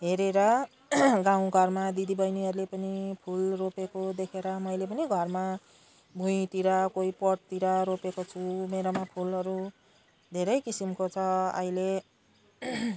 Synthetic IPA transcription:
ɦeɾeɾʌ | ɡãw̃ɡʱʌrmad̪id̪ibʌjniʌɾulepʌnipʰulropekod̪ekʰeɾʌmʌjlepʌniɡʱʌrma | bʱuj̃t̪iɾʌkoipʌʈ̚t̪iɾʌɾopekot͡sʰumeɾomapʰulʌɾu | d̪ʱeɾʌjkisimkot͡sʰʌʌ̰ile

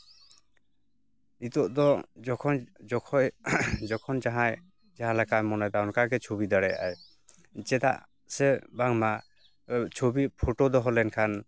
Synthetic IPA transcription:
it̪ɔʔd̪ɔɔ | d͡ʒɔkʰɔnd͡ʒaɦãj | d͡ʒaɦãlakajmɔnajd̪awnkaɡɛt͡ʃʰobid̪aɽɛja̰j | d͡ʒɛd̪a̰ʔ | sɛbaŋma | t͡ʃʰobipʰoʈod̪ɔɦɔlɛnkʰan

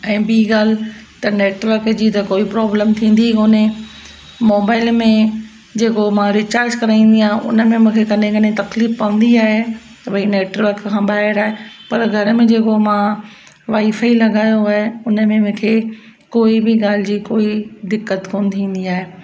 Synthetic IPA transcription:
ɛ̃ːbiːɡaːl̤ɪt̪ɐneːʈʋəɾkd͡ʑiːt̪ɐkoːipɾɔːbləmt̪ʰĩːn̆d̪ioːne | mɔːbaːɪlmẽ | d͡ʑeːkomãɾɪt͡ɕaːɾd͡ʑkɐɾaːĩːn̆d̪iaːɦẽʊ̰nə̆mẽmũːkʰekɐnẽkɐnet̪ɐkliːfpɐʋə̃n̆d̪iaːɦe | t̪ɐbʱɐineːʈʋəɾkʰãːɓaːɦɪɾaːɦepɐɾɡʱɐɾəmẽd͡ʑeːkomã | ʋaːifaːilɐɡaːjoaːɦeʊnə̆mẽmũːkʰeː | koːibɪɡaːl̤ɪd͡ʑiːkoːid̪ɪkːət̪koːnt̪ʰĩːn̆d̪iaːɦeː

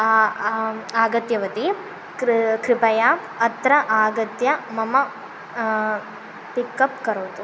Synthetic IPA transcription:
aːɡɐt̪jɐʋɐt̪i | kɾɪpɐja | ɐt̪ɾɐʔaːɡɐt̪jɐmɐmɐ | pikːɐpkɐɾoːt̪u

